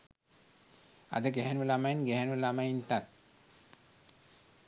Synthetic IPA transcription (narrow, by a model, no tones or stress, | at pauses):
a̰d̪əɡɛɦɛnuʋəlamajinɡɛɦɛnuʋəlamajint̪at̪̚